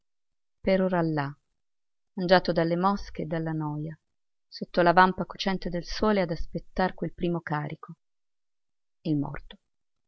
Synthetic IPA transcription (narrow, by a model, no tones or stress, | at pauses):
peɾoːɾalːa | mand͡ʒaːt̪od̪alːemɔskeːd̪ːalːanɔːja | sot̪ːolavampakot͡ʃɛnt̪ed̪elsoːlead̪aspet̪ːarkwelpɾiːmokaːɾikʰo | ilmɔ̰rt̪o̥